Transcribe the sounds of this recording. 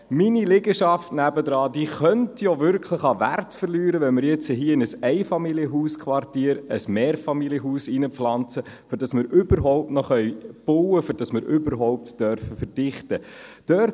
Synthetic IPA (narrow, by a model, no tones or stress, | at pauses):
minileɡəʃɑftnæbədɾɑːdiːχœntʰjoʋʏɾkʰləχɑʋæ̰rtfəɾlyːɾəʋɛnmɪɾjɛt͡səɦiːəɪnəsɛɪfɑmiljəɦuːskʰʋɑrtiːəɾəsmeːɾfɑmiljəɦuːsinəflɑnt͡sə | føɾd̥ɑsmɪɾʔʏbəɾɦɔʊp̚tnɔχœʏb̥owəfyɾd̥ɑsmɪɾʔʏbəɾɦɔʊp̚td̥œɾfəfərd̥ɪχtəd̥œɾt